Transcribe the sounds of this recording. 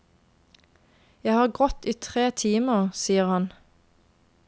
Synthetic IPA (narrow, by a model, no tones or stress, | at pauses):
jæɪhɑːʁɡʁɔt̪iːt̪ʰʁeːt̪ʰiːməʁsiːəʁhɑn